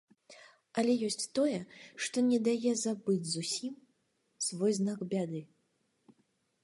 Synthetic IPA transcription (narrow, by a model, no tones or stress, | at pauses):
ɐlʲɛjɔsʲt͡sʲt̪ɔjɛʂt̪ɔnʲɛd̪ajɛzabɨd͡zʲzusʲim | svɔjznaɡbʲad̪ɨ